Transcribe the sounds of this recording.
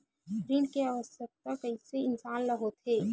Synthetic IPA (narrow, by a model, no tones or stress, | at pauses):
pɾiːɳɖkeaːʋəsjək̚t̪akɐɦĩseɪnsaːnlɐɦot̪ɦeː